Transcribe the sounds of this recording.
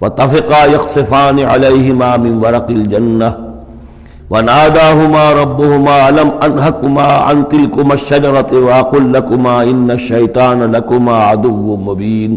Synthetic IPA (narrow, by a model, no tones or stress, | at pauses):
wɑt̪ˤːɑfɪqajɑxsˤɨfaːnɪʕa̰lajhɪmaːmɪnwɑɾˤɑqɪld͡ʒanːa | wanaːd̪aːɦʊmaːɾˤɑbːʊhʊmaːlamʔanɦakʊmaːʕa̰nt̪ɪlkʊmaʃːad͡ʒɑɾˤɑwaʔɑqulːakʊmaːʔɪnːaʃːajt̪ˤɑːnalakʊmaːʕad̪ʊwːʊmʊbiːn